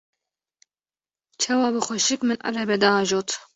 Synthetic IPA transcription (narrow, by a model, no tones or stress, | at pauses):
t͡ʃʰɑːwɑːbɨxʷɛʃɨkmɨnʔa̰ɾɛbɛd̪ɑːʒoːt̪